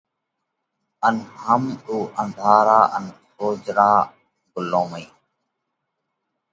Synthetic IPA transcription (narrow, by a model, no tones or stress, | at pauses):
ənɦəmɗuːʔə̃nd̪ʱaːɾaːʔənsoːd͡ʒɾaː | ɡʊlõːməiː